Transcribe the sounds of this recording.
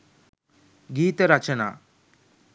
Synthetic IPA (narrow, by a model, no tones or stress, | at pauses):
ɡiːt̪əɾɐt͡ʃɐna̰ː